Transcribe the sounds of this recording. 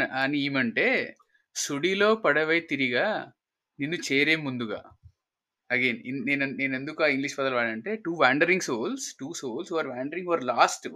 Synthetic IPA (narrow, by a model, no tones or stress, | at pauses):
aniiːmɐɳʈe̞ː | suɽiloːpɐɽɐʋejt̪iɾiɡaː | ninːut͡ʃeːɾeːmund̪uɡa̰ː | ɐɡeːnineːneneːnend̪ukuaːiŋɡliʂpɐd̪ɐlʋaːɽɐɳʈe̞ːʈuːʋaːɳɖɐɾiŋɡsoːlsʈuːsoːlsɦuːʋaːɾʋaːɳɖɐɾĩŋɡʋɐɾlaːsʈ